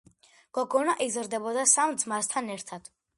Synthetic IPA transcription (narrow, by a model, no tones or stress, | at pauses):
ɡ̥ɔɡɔnaʔizɾd̪ɛbɔd̪asamd̪zmast̪ʰanɛɾt̪ʰad̪̥